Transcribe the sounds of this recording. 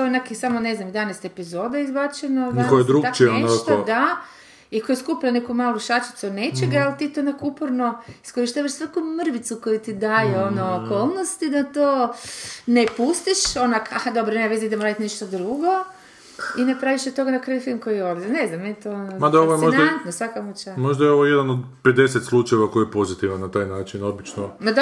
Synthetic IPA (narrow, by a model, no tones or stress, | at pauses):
oenekisamoneznamjed̪anest̪epizoːd̪aizbat͡ʃenod̪akojed̪ɾut̪aioenaʃk̪od̪a | ikojeskuplanekumaːlˠuʃat͡ʃi̥t̪sunet͡ʃeɡaalt̪it̪onakupoɾnoiskoɾiʃt̪aːʋaʃsʋakumr̩ʋit̪sukojut̪id̪ajeonoːkoːlˠnost̪id̪at̪oː | nepust̪iʃonakaxad̪o̞bɾonemaʋezd̪aid̪emoɾaːd̪it̪niʃt̪od̪ɾuɡo | inepɾaʋiʃot̪o̞ɡad̪akɾajufilˠmko̞jijolzneznamːenit̪oonomad̪aoʋojemoʒndnt̪nosʋakamut͡ʃamo̞ʒd̪ajeoʋojed̪anod̪ped̪e̞set̪slˠut͡ʃaeʋako̞jiepo̞zit̪iʋanːat̪aːjnaːt͡ʃinobit͡ʃnomad̪a